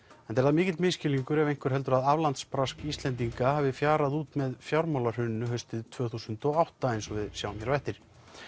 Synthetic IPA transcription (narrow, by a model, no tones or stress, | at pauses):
ɛnt̪ɛɾðamɪːcɪt̪lmɪːscɪliŋkʏɾɛvejŋ̥kʰʏɾ̥ɛlt̪̬ʏɾaðavlant̪spɾaskist̪lɛnt̪̬iŋkaɦaːvɪfjaːɾaðuːt̪mɛðfjawɾmawlar̥ʏnːʏɦœɥst̪ɪðt̪ʰvœːθusʏnt̪ɔɣawht̪aejnsɔvɪðjawmjɛɾvɛjht̪ɪɾ̥